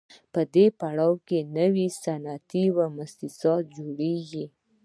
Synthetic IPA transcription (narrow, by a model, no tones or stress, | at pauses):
pəd̪epaɽɑwkenəwisanat̪iwamʊst̪ɪsɑt̪̚d͡ʒoɽeɡi